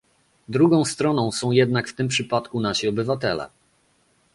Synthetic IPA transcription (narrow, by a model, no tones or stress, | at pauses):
d̪ɾuɡɔ̃w̃st̪ɾɔnɔ̃w̃sɔ̃w̃jɛd̪nakft̪ɘmpʂɘpat̪kunaɕiɔbɘvat̪ɛlɛ̰